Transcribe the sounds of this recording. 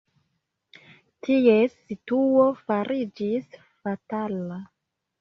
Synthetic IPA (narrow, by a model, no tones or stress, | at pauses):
tʰiesituofaɾʔid͡ʒis | fatala